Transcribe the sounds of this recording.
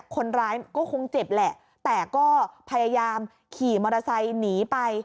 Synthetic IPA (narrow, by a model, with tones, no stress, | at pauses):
kʰo˧nɾaː˦˥jkɔː˥˩kʰo˧ŋt͡ɕe˨˩p̚lɛ˨˩ʔ | t̪ɛː˨˩kɔː˥˩pʰa˧jaː˧jaː˧m | kʰiː˨˩mɔː˧ɾa˧sa˧jniː˩˦pa˧j